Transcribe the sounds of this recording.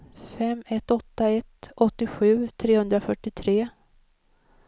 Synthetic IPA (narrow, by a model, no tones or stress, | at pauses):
fɛmːɛt̪ːɔt̪ːaɛt̪ɔt̪ːɪɧʉ̟ːt̪ʰɾeːhɵnd̪ɾafœʈːɪt̪ʰɾeː